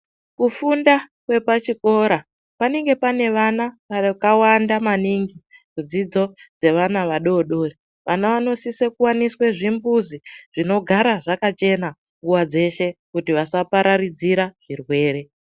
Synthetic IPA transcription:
kufundakwe̞pat͡ʃiko̞ɾa | pane̞ŋɡe̞pane̞ʋanaʋakawandamaniŋɡimud͡zid͡zo̞d͡ze̞ʋanaʋaɗo̞ɗo̞ːri | ʋʔanaʋano̞sisekuwaniswe̞ʐimbuziʐ̥ino̞ɡʱaɾaʐakat͡ʃe̞na | ŋɡuwad͡ze̞ʃe̞kutiʋasapaɾaɾid͡ziɾaʐ̥irwe̞ːɾe̞

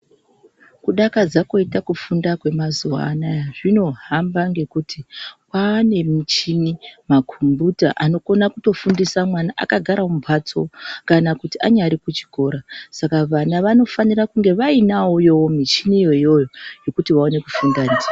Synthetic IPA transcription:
kuɗakad͡zako̞itakufundakwe̞mazuwa̰ːnajaʐino̞ɦambaŋɡe̞kutʰipaːne̞mit͡ʃinimakʰumbuta̰ʔano̞ko̞nakuto̞fundisamwanaʔa̰kaɡʱaɾaobʱat͡so̞kanakutiaɲaɾikut͡ʃi̥ko̞ɾasakaʋanaʋano̞fanirakuŋɡe̞ʋainaujo̞womit͡ʃinijo̞ijo̞jo̞je̞kutiʋao̞ne̞kufundand͡za

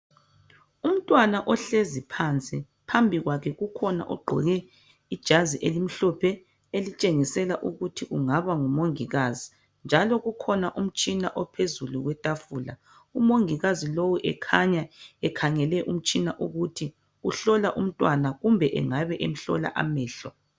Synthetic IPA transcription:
um̩tʼwanaʔɔɬezipʰant͡sʼi | pʰambʱiɣwakʰɛɣukʰɔna̰ʔɔɡ͡ǃʱɔ̰ɣɛ | id̥ʒ̥ʱaziʔelim̩ɬɔpʰɛ | elit͡ʃʼeŋisɛlaʔuɣutʰiʔuŋaβaŋumoŋiɣazi | nd͡ʒʱalɔɣukʰɔnaʔum̩t͡ʃʼina̰ʔɔpʰezuluɣwɛtʼafuːla̰ | umoŋiɣazilowuʔɛ̰kʰaɲaɛkʰaŋɛlɛʔum̩t͡ʃʼinaʔuɣutʰi | uɬɔlaʔum̩tʼwanaɣumbʱɛʔɛ̰ŋaβɛʔem̩ɬɔ̰la̰ʔa̰mɛːɬɔ

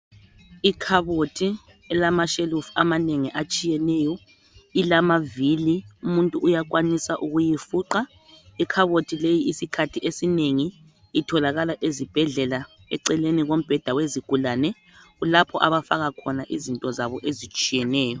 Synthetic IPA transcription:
ikʰaβotʰi | ɛlamaʃelufamaneŋiʔat͡ʃʼijɛnɛːjɔ | ilamaviliumuntʼuːjakʼwanisaʔuɣujifuːǃa | ikʰaβotʰilejiisikʰatʰiʔesineŋiː | tʰɔlaɣalaʔezib̥ʱɛɮɛla | ɛ̰ǀɛleniɣom̩b̥ʱɛd̥ʱaweziɡ̥ʱulanɛ | ɣulapʰɔʔaβafaɣakʰɔnaʔizintʼɔzaβɔʔezit͡ʃʼijɛnɛːjɔ

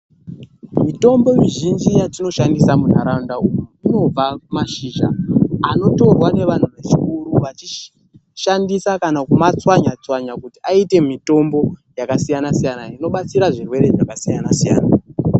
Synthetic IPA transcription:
mito̞mbo̞miʒind͡ʒijatino̞ʃandisamun̤aɾaundaujuino̞b͡vaumaʃiːʒa̰ːno̞to̞rwane̞ʋan̤uʋe̞t͡ʃikuɾuʋat͡ʃi | ʃandisakanakumat͡swaɲat͡swaɲakutiaite̞mito̞mbo̞jakasijanasijanaino̞ɓat͡siɾaʐirwe̞ɾe̞ʐakasijanasija̰ːna

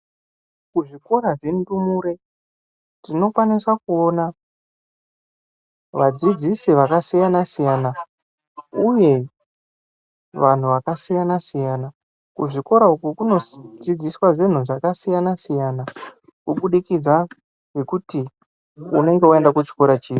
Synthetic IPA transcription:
kuʐiko̞ɾaʐendumuɾe̞ | tino̞kwaniswakuo̞na | ʋad͡zid͡zisiʋakasijanasijana | uje̞ | ʋan̤uʋakasijanasijaːna | kuʐiko̞ɾaukukuno̞d͡zid͡ziswaʐin̤uʐakasijanasijana | kuɓuɗikid͡za | ŋe̞kuti | une̞ŋɡe̞ue̞ndakut͡ʃi̥ko̞ɾat͡ʃiːi

